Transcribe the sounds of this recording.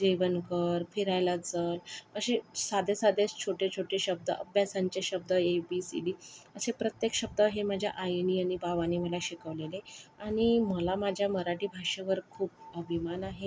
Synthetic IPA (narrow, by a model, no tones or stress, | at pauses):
d͡ʑiʋənkəɾfiɾajlat͡sələɕesad̪ʱesad̪ʱest͡ɕʰoʈet͡ɕʰoʈeɕəb̚d̪əʔəbʱjasaɲt͡ɕeɕəb̚d̪əebisḭɖiəsepɾət̪jekɕəb̚d̪əɦemad͡ʑʱja̰ʔajniːaɽ̃ñibaʋaniːməlaɕikəʋleleaɽ̃iməlamad͡ʑʱjaməɾaʈiːbʱaɕeʋəɾkʰuːp̚əbʱimanaɦe